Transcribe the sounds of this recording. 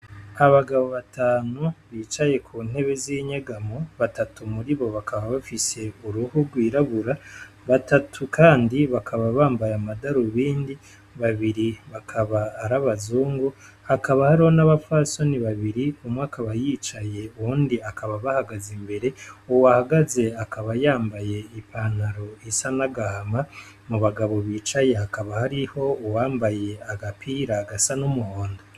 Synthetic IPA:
aβaɡaβoβataːnuβiːt͡ʃaje̞kʰuːn̥he̞βe̞ziɲaɡamoβatatumuɾiβo̞βakʰaβaβafise̞uɾuhuɡwiːɾaβuɾa | βatatʰukaːndiβakʰaβaβaːmbajamadaɾuβiːndi | βaβiɾiβakʰaβaːɾaβazuːŋɡu | hakaβahaɾiho̞naβafaso̞niβaβiɾiumŋwakaβajiːt͡ʃaje̞uːndiakaβaβahaɡazimbe̞ɾe̞uwahaɡaze̞akaβajaːmbaje̞ipʰan̥haɾo̞isanaɡahama | muβaɡaβo̞βiːt͡ʃaje̞hakaβahaɾiho̞uwaːmbaje̞aɡapʰiːɾaɡasanumuhoːndo

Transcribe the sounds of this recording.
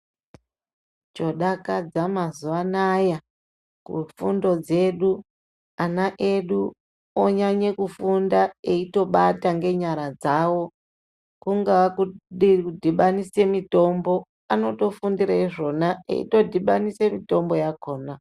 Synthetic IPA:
t͡ʃo̞ɗakad͡zamazuʋanaja | kṵfṵndo̞d͡ze̞ɗu | anaʔe̞ɗu | oɲaɲekufundae̞ito̞ɓataŋɡe̞ɲaɾad͡zawo̞ | kuŋɡawakuiudʱiɓanise̞mito̞mbo̞ | ano̞to̞fundiɾaiʐo̞naḛḭto̞dʱiɓanisemito̞mbo̞jako̞ːna

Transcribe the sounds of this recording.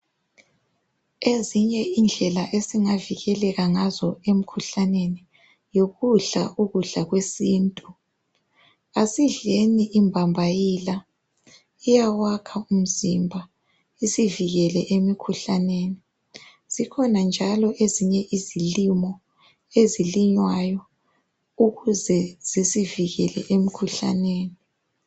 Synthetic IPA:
eziɲɛind͡ɮʱɛlaʔesiŋaviɣɛlɛɣaŋazɔem̩kʰuɬaneni | joɣuɮa̰ʔuɣuɮaɣwesiːntʼu | asiɮeniʔimbʱambʱajila | ijawakʰaum̩zimbʱa | isiviɣɛlɛʔemikʰuɬaneːni | z̥ikʰɔnand͡ʒʱalɔʔeziɲɛʔizilimɔ | eziliɲwajɔ | uɣuzɛz̥isiviɣɛlɛ̰ʔemikʰuɬa̰neːni

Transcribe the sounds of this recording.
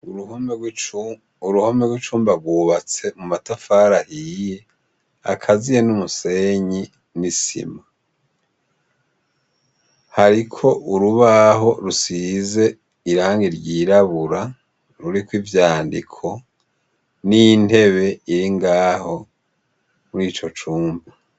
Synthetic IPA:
m | uɾuhomeɡwit͡ʃuːmbaɾɡwuːβat͡se̞mumatafaːɾahiːje̞ | a̰kʰazijenumuse̞ɲi | nisḭma | haɾikʰo̞ʔuɾuβaɦo̞ɾusize̞ | iɾaːŋɡiɾɟiːɾaβuɾa | ɾuɾikwivjaːndḭkʰo̞ | nijine̞βe̞iɾiŋɡaːho̞ | muɾiːt͡ʃo̞t͡ʃuːmba

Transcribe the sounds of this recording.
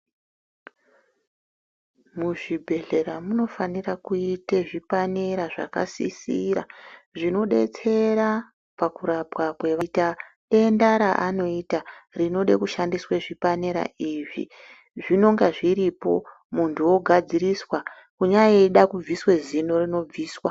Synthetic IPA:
muʐibʱe̞ɮe̞ɾamuno̞fanirakuiteʐipane̞ɾaʐa̰ka̰sḭsiɾa̰ʐino̞ɗe̞̰t͡se̞ɾa | pakuɾapwakwe̞ʋata | e̞ndaɾaʔano̞itarino̞ɗekuʃandisweʐipane̞ɾa̰ʔiʐḭ | ʐino̞ŋɡaʐiɾipo̞̰ | muntuwo̞ɡʱad͡ziɾiswa | kuɲaeɗakub͡viswe̞zino̞rino̞b͡viːswa

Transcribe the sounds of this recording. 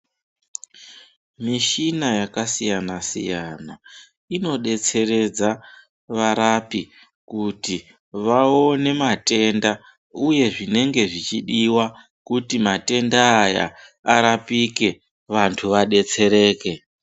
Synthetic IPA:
miʃinajakasijanasḭjana | ino̞ɗe̞t͡se̞re̞d͡za | ʋaɾapi | kuti | ʋaone̞mate̞nda | uje̞ʐine̞ŋɡe̞ʐit͡ʃiɗiwa | kutimate̞ndaːja̰ | aɾapike̞ | ʋantʰuʋaɗe̞t͡se̞ɾe̞ːke̞

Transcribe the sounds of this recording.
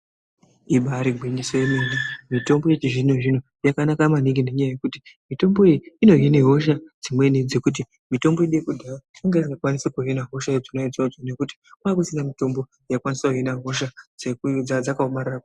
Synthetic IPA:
iɓaɾiɡʱwinisojemenimito̞mbojet͡ʃiʐinoʐino | jakanakamaniɡine̞ɲajaje̞kutimito̞mbo̞iiino̞ɦineɦo̞ʃad͡zimwe̞nid͡zekut̬i | mito̞mbo̞iɗekudʱaaaŋɡaziŋɡakwanisakuɦinaɦo̞ʃad͡zinoid͡zad͡zone̞kuti̥kwaːkusinamito̞mbo̞ | jakwanisakuɦinaɦo̞ʃad͡zed͡zad͡zakaomararako

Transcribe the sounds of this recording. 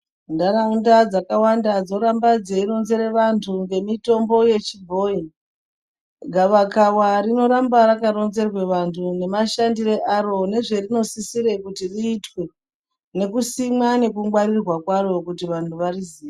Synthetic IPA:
ndaɾaundad͡zakawandad͡zo̞ɾambad͡zeiro̞nzeɾeʋantʰuŋɡe̞mito̞mbo̞je̞t͡ʃibʱo̞i | ɡʱaʋakawarino̞ɾambaɾakaɾo̞nze̞rwe̞ʋantʰune̞maʃandire̞ʔaro̞ne̞ʐe̞rino̞sisiɾe̞kutiriːtwe̞ | ne̞kusimwane̞kuŋɡwaɾirwakwaro̞kutiʋantʰuʋariziːʋe

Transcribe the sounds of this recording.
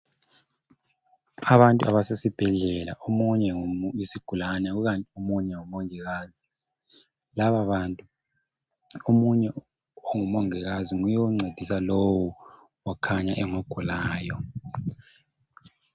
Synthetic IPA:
aβantʼuaβasesib̥ʱɛɮɛla̰ʔomuɲɛŋumisiɡ̥ʱulanɛɣuɣantʼiomuɲɛŋumoŋiɣaːzi | laβaβantʼu | omuɲɛ | oŋumoŋɛɣaziŋujɛwuŋ͡ǀed̥ʱisalowu | wakʰaɲaʔɛŋoɡ̥ʱulaːjɔ

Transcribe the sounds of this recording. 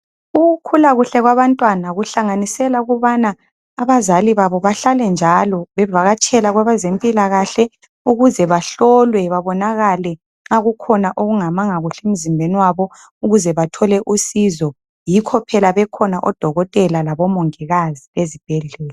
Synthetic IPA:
uukʰulaɣuɬɛɣwaβantʼwanaɣuɬaŋanisɛlauɣuβanaː | βazaliβaβɔβaɬalɛnd͡ʒʱalɔβɛvaɣat͡ʃʼɛlaɣwaβazempʼilaɣaɬɛ | uɣuzɛβaɬɔlwɛβaβɔnaɣalɛ | ŋ͡ǁaɣukʰɔnaʔoɣuŋamaŋaɣuɬɛem̩zimbʱeniwaβɔ | uɣuzɛβatʰɔlɛʔusizɔ | jikʰɔpʰɛlaβɛkʰɔnaʔɔd̥ʱɔɣɔtʼɛlalaβɔmoŋiɣaziβezib̥ʱɛɮɛːlɛ

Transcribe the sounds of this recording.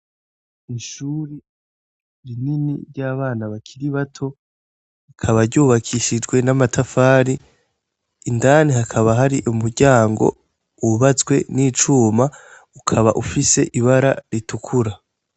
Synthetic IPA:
iʃuːɾi | ɾininiɾɟaːβaːnaβakʰiɾiβatʰo̞ | ikʰaβaɾɟuːβakʰiʃid͡ʒɡwe̞namatʰafaːɾiː | ndanihakʰaβaɦaɾiʔumuɾɟaːŋɡo̞̰ | uβat͡sɡwe̞̰niːt͡ʃuːma | ukʰaβa̰ʔufise̞ʔiβaɾaɾitukʰuɾa

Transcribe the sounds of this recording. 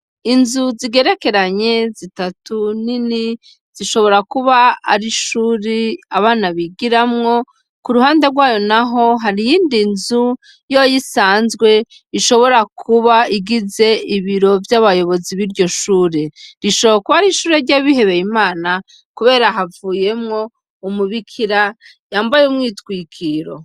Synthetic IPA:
inzuziɡe̞ɾe̞ke̞ɾaɲe̞zitatunini | z̥iʃo̞βo̞ɾakuβa̰ːɾiʃuːɾeaβaːnaβiɡiɾamŋo̞ | kuɾuɦaːnde̞ɾɡwaːjo̞naɦo̞ɦaɾijiːndinzu | jojisaːnzɡwe̞ | iʃo̞βo̞ɾakʰuβaiɡize̞iβiɾo̞vjaβajo̞βo̞ziβiɾɟo̞ʃuːɾe̞ɾiʃoβookuβaɾiʃuːɾeɾɟaβihe̞βe̞jimaːna | kuβe̞ːɾaɦavuːje̞mŋo̞ | umuβikʰiɾa | jaːmbajumŋiːtwiːkʰiɾo̞̰

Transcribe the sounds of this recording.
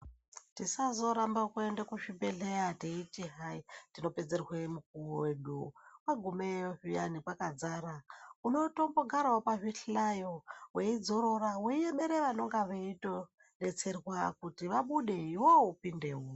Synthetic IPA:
tisazo̞ɾambakuendekuʃibeɮejateitiɦaitino̞pe̞d͡zerwemuk̚uoweɗuwaɡʱumeoʐijanipwakad͡zaɾauno̞to̞mbo̞ɡʱaɾaopaʐiɬajoweid͡zo̞ɾo̞raweijeɓeɾeʋano̞ŋɡaʋeito | net͡se̞rwakutiʋaɓuɗe̞iwoupindewo

